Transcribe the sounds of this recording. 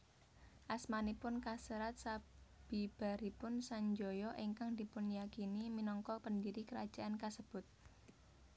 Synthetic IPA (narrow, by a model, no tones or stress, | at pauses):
ʔasmanipʊnkasəɾat̪̚sab̥ib̥a̤ɾipʊnsaɲd͡ʒɔjɔʔiŋkaŋd̪̥i̤pʊnjakiniminɔŋkɔpəndiɾikəɾad̥ʒ̥a̤ʔankasəb̥ʊt̪̚